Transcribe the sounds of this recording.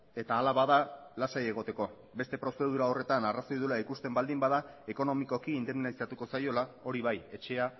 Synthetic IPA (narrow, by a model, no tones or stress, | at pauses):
e̞t̪aːlaβaðalasaje̞ɣo̞t̪e̞ko̞ | be̞st̪e̞pɾo̞se̞ðuɾao̞re̞t̪anaraso̞jðulaikust̪e̞mbald̪imbaðae̞ko̞no̞miko̞kiːnd̪emnalisat̪uko̞sajo̞lao̞ɾiβaje̞t͡ʃe̞a